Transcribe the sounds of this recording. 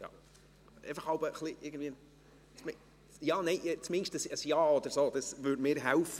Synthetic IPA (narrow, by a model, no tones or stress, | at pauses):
jɑ̰ | ʔḛɪfəχhɑʊbəχliʔɪɡən̩dviːən | t͡smɪ | jɑːnɛɪʔt͡smɪnʃtəsəsjɑːɔd̪̥əɾsoːd̥̪ɑsvʉːdmɪːɾɦælf